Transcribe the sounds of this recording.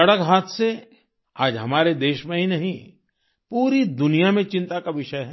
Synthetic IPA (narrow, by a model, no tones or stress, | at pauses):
ɐɽəkɦaːt̪ʰse | aːd͡ʒɦɐmaːɾed̪eːʃmẽɦinɐɦĩ | puːɾid̪ʊnijamẽt͡ʃɪ̃nt̪akaʋɪʃəjɦɛ